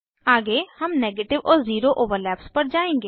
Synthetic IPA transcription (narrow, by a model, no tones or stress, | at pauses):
aːɡehɐmneːɡeːʈɪʋɔːɾziːɾoʔoːʋəɾlɛːpspɐɾd͡ʒaːẽːŋɡeː